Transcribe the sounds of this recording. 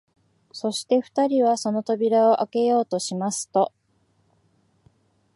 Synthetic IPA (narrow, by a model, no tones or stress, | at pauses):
so̞ɕi̥t̪e̞ɸɯ̟̥t̪aɾʲiβaso̞no̞t̪o̞bʲiɾao̞ʔake̞jo̞ːt̪o̞ɕimasɨ̥t̪o̞